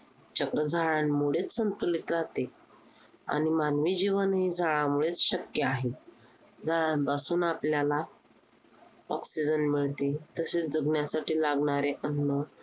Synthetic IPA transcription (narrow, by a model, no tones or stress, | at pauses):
t͡ɕəkɾəd͡zʱaɭanmuɭet͡ssənt̪ulit̪ɾaɦt̪e | a̰ɽ̃imanʋiːd͡ʑiʋənɦiːd͡zʱaɭamuɭet͡sɕəkjəaɦe | d͡zaɭbasuːnapljala | ɔksid͡ʑənmiɭt̪et̪əsed͡zəɡnjasaʈiːlaɡɳ̃aɾeʔənːə